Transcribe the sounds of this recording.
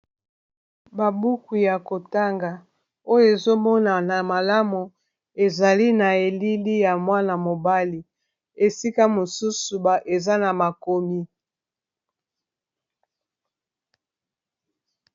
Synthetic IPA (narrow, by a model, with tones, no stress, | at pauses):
ba˨bu˦ku˨ja˨ko˨ta˦ŋɡa˨ | o˦jo˦˨e˨zo˦mɔ˦na˨na˨ma˨la˦mu˨ | e˨za˨li˦na˨e˨li˦li˦ja˨mwa˦na˨mo˨ba˦li˨ | e˨si˦ka˦mo˨su˦su˨ba˨ʔe˨za˦na˨ma˨ko˨mi˦